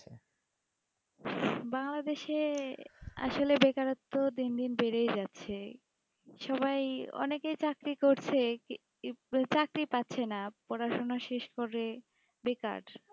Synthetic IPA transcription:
baŋlad̪eʃe | a̰ʃolebekaɾot̪ːod̪ind̪inbeɾejd͡ʑatːɕʰe | ʃɔbajɔ̰nekejt͡ɕakɾikoɾt͡ɕʰe | t͡ɕakɾipatːɕʰenapɔɾaʃonaʃeʃkoɾe | beka̰ɖ

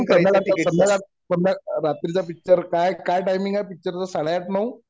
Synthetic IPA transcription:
t̪əmakat̪ənakat̪̚ | p̪əndaɾat̪ɾit͡sapik̚t͡ɕəɾkajkajʈajmiŋɡajpik̚t͡ɕəɾt͡sasaɽ̃ajaʈnau

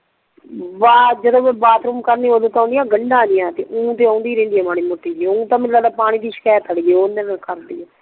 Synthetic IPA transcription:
baːd͡ʒəd̪õːʋeːbaːt̪ʰɾuːmkəɾniːʋəd̪õːt̪ãːnd̪ijãːɡəɳɖãːd̪ɪjãːt̪ḛʔũːt̪eːãːnd̪iːɾɛ̃ːnd̪iːɛːmaːɽiːmʊʈːiːd͡ʒiːũːt̪ãːmɪlːaːd̪aːpaːɽ̃ĩːd̪iːʃɪ̥kɛːt̪ːəɽid͡ʒeːoːnənakəɾd̪ḭːɛː

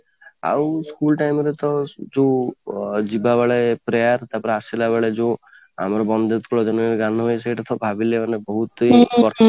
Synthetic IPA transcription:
a̰wskulʈajmɔɾet̪ɔd͡ʒo | d͡ʒibabaɭepɾejaɾt̪apɔɾeasilaβaɭed͡ʒo | a̰mɔɾɔbɔnd̪et̪kuɭɔd͡ʒɔnɔneɾɡanɔɦojseeʈat̪ʰɔbʱabilemanebɔɦut̪ibɔɾt̪ʰ

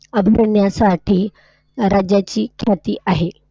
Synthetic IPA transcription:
əbʱiɾəɳjasaʈʰiː | ɾad͡ʑjat͡ɕiːkʰjat̪iːʔaɦe

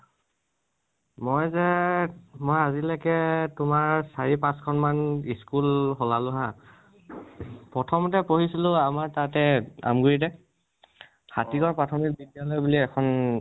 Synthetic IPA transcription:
mojzɛ | mojazilakɛtʊmaɹsaɹipãskʰɔnmaniskulɦɔlalʊɦa | pɹɔtʰɔmɔt̬ɛpoɦisilʊ̃amaɹtatɛa̰mɡuɹidɛ | hatikɔɹpɹatʰɔmik̚bidijalojbuliɛkʰɔn

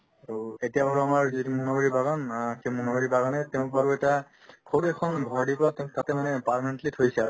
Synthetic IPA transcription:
aɹuetijapaɹɔamaɹzitimunabɔɹibaɡɔnkɛmunaboɹibaɡɔnɛtɛʊ̃paɹuɛta | kʰoɾɛkʰɔnɡʱɔɹdipɔatɛʊ̃tatɛmanɛpaɹlamɛ̃ntlitʰojsɛ

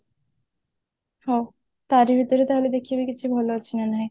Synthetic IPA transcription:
ho | t̪aɾibʱit̪oɾet̪aɦoled̪ekʰibekit͡ɕʰubʱɔloat͡ɕʰinanaɦe

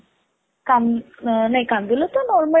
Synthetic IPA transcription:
kam | najkamd̪ilot̪ənɔɾmə

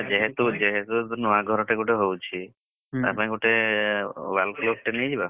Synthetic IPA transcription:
d͡ʒeɦet̪ud͡ʒeɦet̪unɔaɡʱɔɾɔʈeɡoʈeɦowt͡ʃʰi | a̰paniɡoʈe | balklok̚ʈenejd͡ʒiba

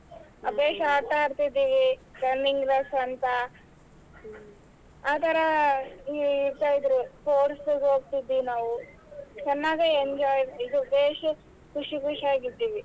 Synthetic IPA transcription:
ɐbeːʂɐaːɾt̪aːɾt̪id̪iːʋikɐɾniŋɡlɐsɐnt̪ɐ | aːt̪ɐɾɐiiɾt̪aːjid̪ɾupoːʈsɡɦoːɡ̚t̪id̪inaːʋu | t͡ʃɐnːaːɡeeɲd͡ʒaːjɾid̪uɐbeːʂɐ | kuʂikuʂaːɡid̪ːiːʋi

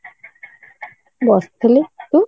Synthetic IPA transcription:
bɔst̪ʰlit̪u

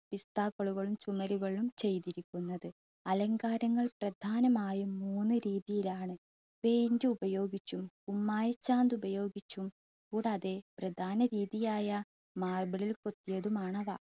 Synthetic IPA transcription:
pist̪aːkoɭuɣɐɭumt͡ɕumɐɾuɣɐɭumt͡ɕe̞jt̪iɾikʲːunːɐðɨ | ɐlɐŋɡaːɾɐŋːɐɭprɐd̪ʱaːnɐmaːjuːuːnːɨɾiːðijilaːɳɨ | pe̞ːjndɨubɐjo̞ːɡit͡ɕːumkumːaːjɐt͡ɕːaːnd̪ubɐjo̞ːɡit͡ɕːum | kuːɽeɐðe̞prɐd̪ʱaːnɐɾiːðijaːjɐ | maːrbɐɭilko̞t̪ːijɐðumaːɳɐʋa̰

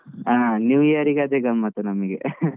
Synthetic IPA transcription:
aːnjuːjɐɾiɡeɐd̪eɡɐmːɐt̪ːunɐmɐɡe

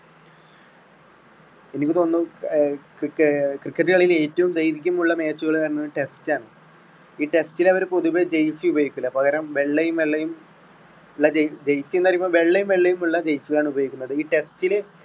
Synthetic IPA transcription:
e̞nikʲːɨt̪o̞ːnːɨ | kkːkrikːɐʈːɨɐɭɐijile̞ːtːɐʋumd̪ejɾikʲːumuɭːɐme̞ːt͡ɕːuɣɐɭɐnːɨʈe̞staːɳɨ | iːʈe̞stilɐʋɐɾpo̞ðuʋed͡ʑejsiubɐjikʲːulːɐpɐɣɐɾɐmʋe̞ɭːejumʋe̞ɭːejum | uɭːɐd͡ʑed͡ʑejsijunːɐrimːboʋe̞ɭːejumʋe̞ɭːejumuɭːɐd͡ʑejsiɣɐɭaːɳubɐjoikʲːunːɐðɨiːʈe̞stil

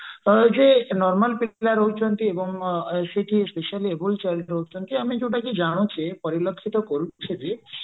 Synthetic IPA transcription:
d͡ʒenɔɾmalpilaɾoɦut͡ʃʰɔnt̪iebɔŋseʈʰiespeʃaliebult͡ʃalɾoɦut͡ʃʰɔnt̪iamid͡ʒeuʈakid͡ʒaɽ̃ut͡ʃepɔɾilokʰːit̪ɔkoɾut͡ʃʰed̪i

